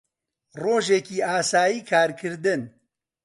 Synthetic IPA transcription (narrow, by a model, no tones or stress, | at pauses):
roːʒeːkiːaːsaːjiːkʰaːɾkʰɨɾd̪ɨn